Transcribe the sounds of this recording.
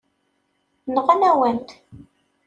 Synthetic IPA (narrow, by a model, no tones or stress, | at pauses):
nʁænæwənt̪